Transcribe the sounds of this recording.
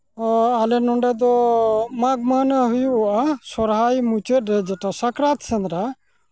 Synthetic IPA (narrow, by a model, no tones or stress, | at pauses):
ɔalɛnɔɳɖɛd̪ɔmaɡmanaɦujuːʔasɔɾɦajmut͡ʃət̪ɾɛd͡ʒɛʈasakɾat̪sənɾa